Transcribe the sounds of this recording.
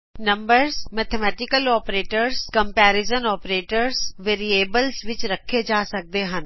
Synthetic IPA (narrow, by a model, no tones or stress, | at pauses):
nə̃mbəɾsmɛːt̪ʰemɛːʈɪkəlɔːpɾeːʈəɾskəmpɛːɾɪzənɔːpɾeːʈəɾsʋeːɾieːbəlsʋɪt͡ʃɾəkʰːed͡ʒaːsək̚d̪eːɦən